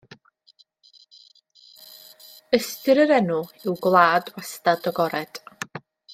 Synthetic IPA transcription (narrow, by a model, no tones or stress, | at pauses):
əstɨɾəɾɛnʊɪwɡlˠaːdwastadɔɡɔɾɛd̥